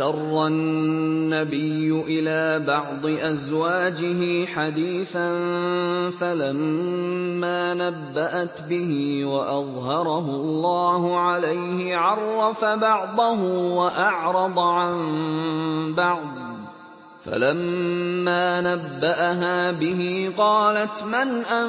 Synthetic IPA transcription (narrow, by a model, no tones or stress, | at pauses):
ʃɑrˤːɑnː | abɪjːʊʔɪlaːbɑʕd̪ˤɨʔazwaːd͡ʒɪɦɪħad̪iːθan | falamː | aːnabːaʔat̪bɪhɪwaʔɑðˤɦɑɾˤɑɦʊlˤːɑːhʊʕalajhɪʕɑrˤːɑfabɑʕd̪ˤʊɦʊwaʔɑʕɾˤɑd̪ˤʕan | bɑʕd̪̚ˤ | fa̰lamːaːnabːaʔaɦaːbɪɦiːqɑːlat̪manʔa